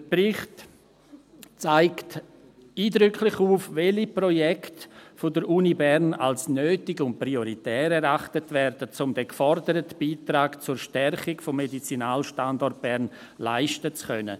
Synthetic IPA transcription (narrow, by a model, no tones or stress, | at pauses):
d̥əbɾɪχt | t͡saɪkt | iːdɾʏkʰlɪχuːfvɛlipɾɔjɛktfodəɾʔuːnibɛɾna̰lsnøːtɪɡʊnt̚pɾioɾitɛːɾɛɾaχtətvɛɾd̥ət͡sʊmdɛkfɔrdəɾətb̥iːtɾaːkt͡sʊːɾʃtɛrχɪɡfɔmːedit͡sinaːlʃtandɔrt̚b̥ɛɾn | la̰ɪʃtət͡skœnə̰